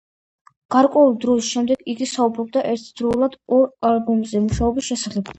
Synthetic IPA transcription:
ɡ̥aɾkʼwɛuld̪ɾɔsʃɛmd̪ɛɡiɡisaubɾɔb̚d̪aʔɛɾt̪ʰd̪̥ɾɔulˠad̪ɔɾalˠbumzɛmuʃaɔbisʃɛsaχɛb

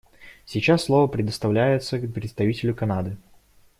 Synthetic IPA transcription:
sʲit͡ɕasːlˠovəpɾʲɪd̪əst̪ɐvlʲæjɪt̪səpɾʲɪt̪st̪ɐvʲitʲɪlʲʊkɐnad̪ɨ

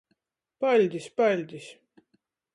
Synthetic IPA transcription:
pɑlʲd̪ʲispɑlʲd̪ʲis

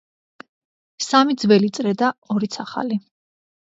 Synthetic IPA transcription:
samid̪zvɛlit̪sʼɾɛd̪aɔɾit̪sʰaχa̰li

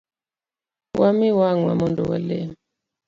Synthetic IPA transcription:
wʔamiwaŋwa̰mɔndɔwa̰lɛ̰m

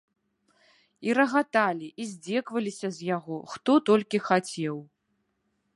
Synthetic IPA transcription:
iɾɐɣat̪alʲiʔizʲd͡zʲɛkvɐlʲisʲɐzʲjaɣɔxt̪ɔt̪ɔlʲkʲixat͡sʲɛw

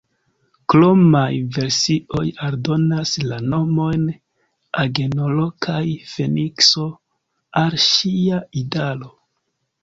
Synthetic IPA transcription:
klomajve̞ɾsio̞jaɾdo̞naslano̞mo̞jn | aɡe̞nolo̞kʰajfe̞nikso̞ | alʃiaidalo̞

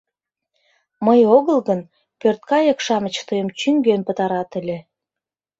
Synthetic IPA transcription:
məjoɣəlɣən | pørt̪̚kɑjə̆kʃɑmə̆t͡ɕt̪əjəmt͡ɕyŋɡønpət̪ɑɾɑt̪ə̆lʲe

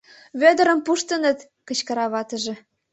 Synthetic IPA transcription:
βød̪ə̆ɾə̆mpuʃt̪ə̆nə̆t̪ | kə̆t͡ɕkɤ̆ɾɑβɑt̪ə̆ʒĕ

